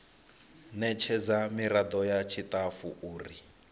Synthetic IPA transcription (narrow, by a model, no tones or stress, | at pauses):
nɛt͡ʃʰɛd͡zamiɾad̪ɔjat͡ʃʰit̪afuʔuːri